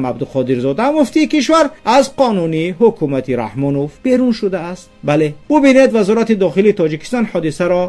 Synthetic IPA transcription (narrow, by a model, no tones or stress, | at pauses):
mab̚d̪uqʰɔd̪iɾzɔd̪aamuft̪iːkiʃ̬vaɾazqʰɔnuniɦukʰumat̪ʰiɾa̰hmɔnofbe̞ɾunʃud̪aːst̪bale̞bubine̞d̪vazɔɾat̪id̪ɔχiliːt̪ʰɔd͡ʒiki̥st̪ɔnhɔd̪isaɾɔ